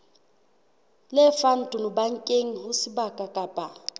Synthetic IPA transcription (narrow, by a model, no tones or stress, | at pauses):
lɛfan̩tʼʊnʊbaŋ̩kʼeŋ̩hʊsɪbakʼakʼapʼa